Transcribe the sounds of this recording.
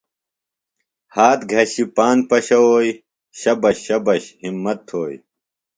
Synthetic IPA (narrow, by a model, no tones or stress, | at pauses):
haːt̪ɡʱɐɕipaːnpɐɕɐwoːj | ɕɐbɐɕɐbɐɕhimːɐt̪ʰːoːj